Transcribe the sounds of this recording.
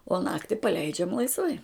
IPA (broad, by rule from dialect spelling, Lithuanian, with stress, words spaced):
oː ˈnɑːktʲɪ pɐˈlʲɛɪd͡ʒʲɛm lˠɐɪsˈʋɐɪ